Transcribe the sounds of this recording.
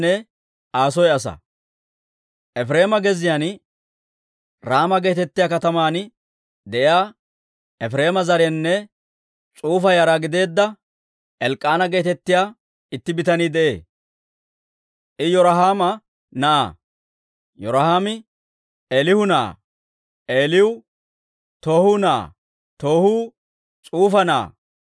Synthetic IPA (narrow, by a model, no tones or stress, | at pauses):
nɛ | ʔaːsɔjɐsɐ̰ | ʔɛfɾe̞ːmɐɡɛzɪjaːn | ɾaːmɐɡe̞ːt̪ɛt̪ːɪjaːkɐt̪ɐmaːn | d̪ɛʔɪjaː | ɛfɾe̞ːmɐzɐɾɛnːɛ | t͡sʼuːfɐjaːɾaːɡɪd̪e̞ːd̪ːɐ | ɛlkʼːaːnɐɡe̞ːt̪ɛt̪ːɪjaː | ɪt̪ːɪbɪt̪ɐniːd̪ɛʔḛː | ʔɪjɔɾɐɦaːmɐ | nɐʔa̰ | jɔɾɐhaːmɪ | ʔeːlɪhʊna̰ː | ʔeːlɪwʊ | t̪o̞ːhʊna̰ː | t̪o̞ːhuː | t͡sʼuːfɐna̰ː